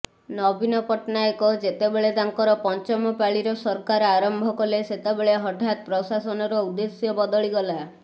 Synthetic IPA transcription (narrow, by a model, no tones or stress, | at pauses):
nɔbinɔpɔʈnajɔkɔd͡ʒet̪ebeɭed̪aŋkɔɾɔpɔnt͡ʃɔmɔpaɭiɾɔsɔɾkaɾaɾɔmbʱɔkɔleset̪ebeɭeɦɔʈʰat̪̚pɾɔsasɔnɔɾɔud̪esjɔbɔd̪ɔɭiɡɔla